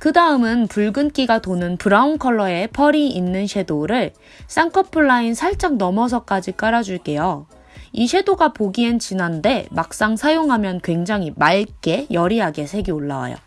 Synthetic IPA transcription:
kɯdaɯmɯnpuɭɡɯnk͈iɡatonɯnpɯɾaunkʰʌɭːʌe̞pʰʌɾiinːɯnɕʰe̞doɾɯɭ | s͈aŋkʰʌpʰɯɭːainsʰaɭt͡ɕ͈aŋnʌmʌs̬ʰʌk͈ad͡ʑik͈aɾad͡ʑuɭk͈e̞jo | iɕʰe̞doɡapoɡient͡ɕinande̞mak̚s͈aŋsʰajoŋɦamjʌnkwe̞ŋd͡ʑaŋimaɭk͈e̞jʌɾiɦaɡe̞sʰe̞ɡioɭːawa̰jo̰

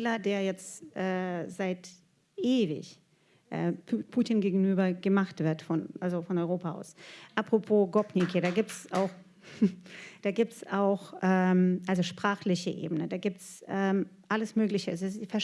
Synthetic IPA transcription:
lɐdeːɐjɛt͡stʔɛːz̥aɪt | ʔeːvɪ̰ç | ʔɛ̰ːpʰːpʰuːtinɡeːɡŋ̩yːbɐɡ̥əmaχtv̥ɪɐtfɔnʔalzofɔnɔʏʁoːpaʔa̰ʊsʔapʁ̥opʰoːɡɔpnikʰeːɾaːɡiːp̚tsaʊx | d̥aːɡiːp̚tsaʊxʔɛːmʔalzoʃpʁ̥aːχlɪçəʔḛːbənədaːɡiːp̚tsʔɛːmʔaləsmøːɡlɪçəɪssfɛɐʃ

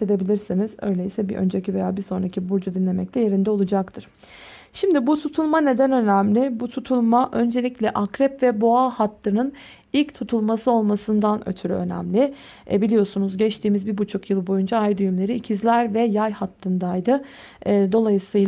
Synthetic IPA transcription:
sed̪e̞bilʲiɾsinizø̞̰jlʲeisɛbiʔø̰nd͡ʒecive̞jaːbiso̞nɾacʰibuɾd͡ʒud̪inlʲe̞mɛclʰʲɛje̞ɾind̪ɛolˠud͡ʒakt̪ʰɯɾ̥ | ʃimd̪ibut̪ʰut̪ʰulˠmane̞d̪ænø̞næmlʲɪbut̪ʰut̪ʰulˠmaʔø̞nd͡ʒe̞lʲiclʲɛʔakɾɛpvɛboahat̪ːɯnɯn | ilʲct̪ʰut̪ʰulˠmasɯo̞lˠmasɯnd̪anø̰t̪ʰyɾyø̞̰næ̰mlʲɪ̰ | bilʲijo̞sunuzɟɛt͡ʃt̪ʰiːmizbibut͡ʃʰukjɯlˠbo̞jund͡ʒaajd̪yjymlʲe̞ɾiːcʰizlʲæɾvɛjajhat̪ʰːɯnd̪ajd̪ɯː | d̪o̞lˠajɯsɯj

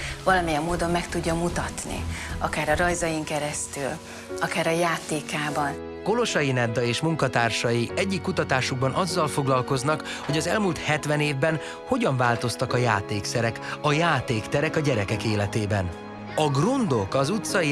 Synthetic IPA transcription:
vɒlɒmijɛmːoːd̪o̞mːɛkt̪uɟːɒmut̪ɒt̪nḭɒkaːɾɒɾɒjzɒjiŋkɛɾɛst̪yl | ɒkaːɾɒjaːt̪eːkaːbɒn | ko̞lo̞ʃɒjinɛd̪ːɒeːʃmuŋkɒt̪aːrʃɒjiɛɟːikːut̪ɒt̪aːʃuɡ̚bɒnʔɒzːɒlfo̞ɡlɒlko̞znɒk | ho̞ɟɒzɛlmuːlt̪hɛt̪ʋɛneːvbɛn | ho̞ɟɒɱvaːlt̪o̞st̪ɒkɒja̰ːt̪eːksɛɾɛkɒjaːt̪eːkt̪ɛɾɛkɒɟɛɾɛkɛkeːlɛt̪eːbɛn | ɒɡrund̪o̞kɒzut̪sɒi

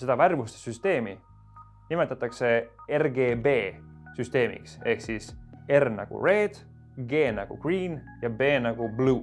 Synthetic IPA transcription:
se̞d̪ɑværmust̪esyst̪e̞ːmi | nime̞t̪ːˑɑt̪ːˑɑkse̞erɡe̞ːbe̞ːsyst̪e̞ːmḭkse̞hksise̞rnɑ̰ɡ̥ṵre̞ːd̪̥ | ɡ̥e̞ːnɑɡ̥ṵɡ̥riːn | jɑbe̞ːnɑɡ̥ubluː

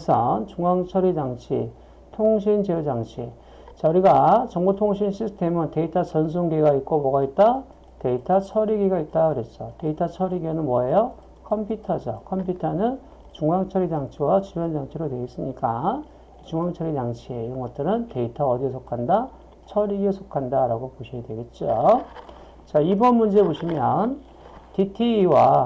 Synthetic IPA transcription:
isʰʌnt͡ɕuŋaŋt͡ɕʰʌɾid͡ʑaŋt͡ɕʰḭ | tʰoŋɕ̬ʰind͡ʑejod͡ʑaŋt͡ɕʰi | t͡ɕʌɾiɡat͡ɕʌŋbutʰoŋɕ̬ʰinɕʰistʰe̞mɯnte̞itʰat͡ɕʌns̬ʰuŋɡeɡaik͈oboɡait̚t͈a | te̞itʰat͡ɕʰʌɾiɡiɡait̚t͈akɯɾett͡ɕ͈ʌte̞itʰat͡ɕʰʌɾiɡenɯnmwʌejʌ | kʰʌmpʰjutʰad͡ʑʌkʰʌmpʰjutʰanɯn | t͡ɕuŋaŋt͡ɕʰʌɾitaŋt͡ɕʰiwat͡ɕubjʌnd͡ʑaŋt͡ɕʰiɾodwe̞ɡis͈ɯmɲik͈a | t͡ɕuŋaŋt͡ɕʰʌɾitaŋt͡ɕʰieiɾʌnɡʌt̚t͈ɯɾɯnte̞itʰʌʌdiesʰokʰanda | t͡ɕʰʌɾiɡesʰokʰandaɾaɡopoɕʰiadwe̞ɡe̞t̚t͡ɕ͈o | t͡ɕaibʌnmund͡ʑe̞eboɕʰimjʌn | titʰiːwa

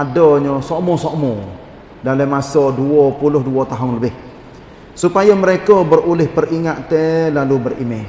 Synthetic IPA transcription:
adəɲəsɔʔmɔsɔʔmɔ | dalamasɔduɔpulʊhduɔt̪aɦʊnləbɪh | supajəməɾekəbərulɪhpəriŋaʔ̪t̪ɛlalubərḭme

